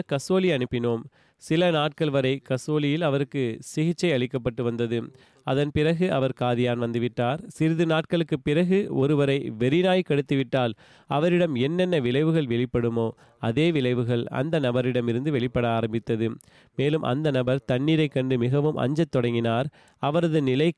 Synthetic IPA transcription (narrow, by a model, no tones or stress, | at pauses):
kɐsoːlɪɐnɯpːɪnoːm | sɪlɐnaːʈ̚kɐɭʋɐɾɐɪkɐsoːlɪjɪlɐʋɐɾɯkːɯsɪɣɪt͡ʃːɐɪɐɭɪkːɐp̬ːɐʈːɯʋɐnd̪ɐðɯ | ɐðɐnpɪɾɐɣɯʔɐʋɐɾkaːðɪjaːnʋɐnd̪ɯʋɪʈːaːɾsɪɾɪðɯnaːʈ̚kɐɭɯkːɯpɪɾɐɣɯɔɾɯʋɐɾɐɪʋɛɾɪnaːjkɐɽɯt̪ːɯʋɪʈːaːl | ɐʋɐɾɪɽɐmɛnːɛnːɐʋɪɭɐɪʋɯɣɐɭʋɛɭɪpːɐɽɯmoː | ɐðeːʋɪlɐɪʋɯɣɐɭɐ̰nd̪ɐnɐbɐɾɪɽɐmɪɾɯnd̪ɯʋɛɭɪpːɐɽɐaːɾɐmbɪt̪ːɐðɯ | meːlɯmʔɐ̰nd̪ɐnɐbɐɾt̪ɐɳːiːɾɐɪkːɐɳɖɯmɪɣɐʋɯmʔɐ̰ɲd͡ʒɐt̪ːɔɽɐŋɡɪnaːɾ | ɐʋɐɾɐðɯnɪlɐɪ